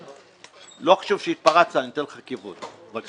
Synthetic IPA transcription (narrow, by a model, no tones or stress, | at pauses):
loχḁʃuvʃeit̪̚paʁat͡sanit̪enlχakivut̪vak